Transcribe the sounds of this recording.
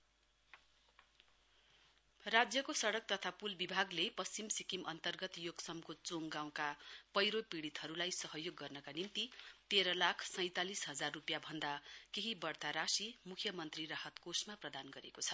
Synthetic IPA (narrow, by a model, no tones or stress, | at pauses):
rad͡zjʌkosʌɽʌk̚t̪ʌt̪ʰapulbibʱaɡlepʌst͡simsikimʔʌnt̪ʌrɡʌt̪joɡsʌmkot͡soŋɡaw̃kapʌjɾopiɽit̪ɦʌɾulajsʌɦʌjoɡːʌrnʌkanimt̪it̪eɾʌlakʰsʌj̃t̪alisɦʌd͡zarːupjabʱʌnd̪akeɦibʌrt̪aɾasimukʰjʌmʌnt̪riɾaɦʌt̪kosmaprʌd̪anɡʌɾekot͡sʰʌ̥